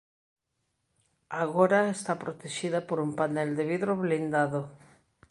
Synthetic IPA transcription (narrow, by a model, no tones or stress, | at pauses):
aɣoɾaest̪apɾot̪eʃiðapoɾumpanɛld̪eβiðɾoβlind̪aðo